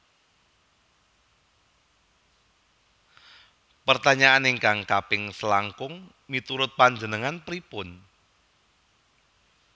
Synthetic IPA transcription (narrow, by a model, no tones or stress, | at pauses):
pərt̪aɲaaneŋkaŋkapɪŋsəlaŋkʊŋ | mit̪uɾʊt̪̚paɲd͡ʒənəŋanpɾipʊn